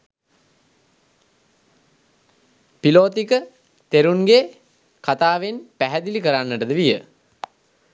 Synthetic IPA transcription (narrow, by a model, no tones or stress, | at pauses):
piloːt̪ikə | t̪eɾunɡe | kat̪aːʋenpæɦæd̪ilikəɾanːəʈəd̪əʋijə